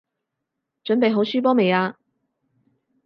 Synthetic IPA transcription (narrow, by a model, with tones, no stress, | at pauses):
t͡ʃɵ˨˥npe˨jɦo˨˥wsyː˥p̬ɔː˥me˨jaː˧